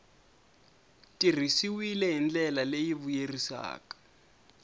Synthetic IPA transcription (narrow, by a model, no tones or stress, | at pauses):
tʼir̤isiwilɛɦind͡ɮɛlalejiβujerisa̰ːkḁ